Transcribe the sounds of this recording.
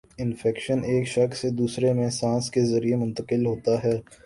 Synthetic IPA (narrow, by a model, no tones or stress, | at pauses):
ɪnfɛːkʃəneːkʃɐksed̪uːsɾemẽsãːskezɐɾiemʊ̃nt̪əqɪlɦoːt̪aɦɛː